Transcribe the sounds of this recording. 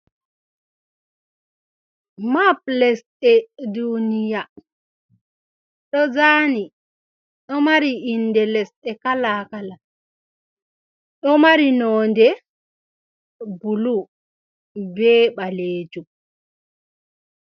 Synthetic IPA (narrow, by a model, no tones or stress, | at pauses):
maplɛsɗɛdunija | ɗɔzaːni | ɗɔmaɾiʔinːdɛlɛsɗɛkalakala | ɗɔmaɾinɔːndɛ | bulu | bɛːɓaleːd͡ʒum